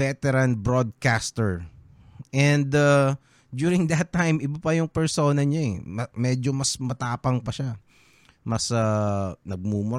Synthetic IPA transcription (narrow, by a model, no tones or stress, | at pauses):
ɛt̪ɛɾɐnbɾod̪̚kast̪ɛɹ | ʔɛnd̪ɐ | d̪uːɾɪŋd̪ɐt̪ːajmɪbapɐjʊŋpɛɹsoːnɐɲaɛmɐmɛd͡ʒomɐsmɐt̪aːpɐŋpɐʃa | mɐsanɐɡ̚mumʊɾ